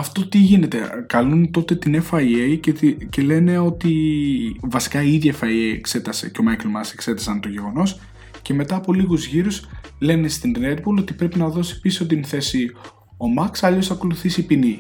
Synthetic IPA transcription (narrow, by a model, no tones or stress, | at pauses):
ɐft̪ot̪iʝine̞t̪e̞kɐlunt̪o̞t̪e̞t̪inefɐiejcele̞ne̞o̞t̪i | vɐsi̥kɐiiðʝefɐiejekse̞t̪ɐseceo̞mɐjkelmɐsekse̞t̪ɐsɐnt̪o̞ʝe̞ɣo̞no̞s | ce̞me̞t̪ɐːpo̞liɣuzʝiɾus | le̞nest̪ind̪ned̪̚bolo̞t̪ipɾe̞pinɐðo̞si̥pisio̞t̪̬imuθe̞si | o̞mɐksɐʎo̞sɐko̞luθisipini